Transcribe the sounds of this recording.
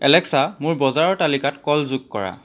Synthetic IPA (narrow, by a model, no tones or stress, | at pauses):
ɛ̰lɛksamʊɹbɔzaɹɔɹtalikatkɔlzʊɡ̚kɔ̰ɹa̰